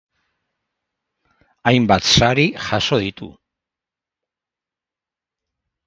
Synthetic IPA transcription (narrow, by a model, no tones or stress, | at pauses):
ajmbat̪saɾixaso̞ðit̪ṵ